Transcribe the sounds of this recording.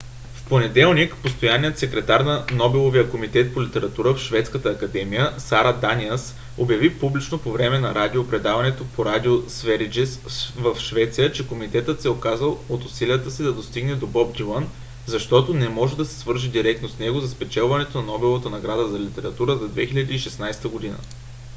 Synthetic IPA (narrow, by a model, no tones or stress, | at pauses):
fponɛd̪ɛlˠnikpost̪ojanːijət̪sɛkɾɛt̪aɾnɐnɔbɛlˠovijəkomit̪ɛt̪̚polit̪ɛɾɐt̪uɾəfʃvɛt̪skət̪əːkɐd̪ɛmijəsaɾad̪anʲiɛs | objɐvipublit͡ʃnopovɾɛmɛnɐɾad̪iopɾɛd̪avɐnɛt̪opoɾad̪ʲiosvɛɾid͡ʒɛsvəfʃvɛt̪sijət͡ʃɛkomit̪ɛt̪ət̪sɛokazəlˠot̪ʊsiliət̪əsid̪ɐd̪ost̪iɡnɛd̪obɔb̚d̪ilan | zɐʃt̪ɔt̪onɛmɔʒɛd̪ɐsɛ̥svɤɾʒid̪iɾɛk̚t̪nosnɛɡozɐspɛt͡ʃɛlˠvɐnɛt̪onɐnɔbɛlˠovət̪ənɐɡɾad̪əzɐlit̪ɛɾɐt̪uɾəzɐd̪vɛxilʲɐd̪iːʃɛsnajst̪əɡod̪inə̰